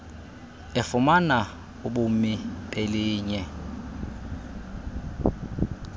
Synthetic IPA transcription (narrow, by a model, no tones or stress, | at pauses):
ɪfʊmana | uɓumiɓeliːɲɛ